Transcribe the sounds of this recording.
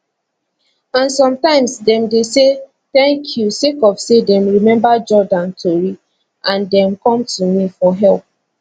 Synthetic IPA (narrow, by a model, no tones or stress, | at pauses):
ãnsɔ̃mtãɪ̃msdɛ̃mdese | θɛ̃ŋkʰjusekɔv̥sedɛ̃mɹimɛ̃mbad͡ʒɔdãntʰoɹi | ʔãndɛ̃mkɔ̃mtumifɔɦɛlp̚